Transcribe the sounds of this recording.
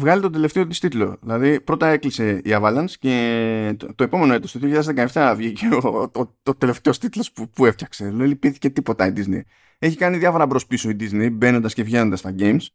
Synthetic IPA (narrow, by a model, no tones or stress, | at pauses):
vɣɐlit̪o̞d̪e̞le̞ft̪eot̪i̥st̪it̪lo̞̰ðilɐðipɾo̞t̪ɐe̞klise̞iɐvɐlɐnsce̞ | t̪o̞e̞po̞me̞no̞e̞t̪ost̪oðijoçiʎɐðzðekɐeft̪ɐvʝiceoo | ot̪e̞le̞ft̪e̞o̞st̪it̪lo̞spupueft̪çɐkse̞lolipiθi̥ce̞t̪ipo̞t̪ɐid̪iznḛj | e̞çikɐniðjɐfo̞ɾɐbɾo̞spiso̞id̪iznejbe̞no̞nd̪ɐsce̞vʝe̞no̞nd̪ɐst̪ɐɟe̞jms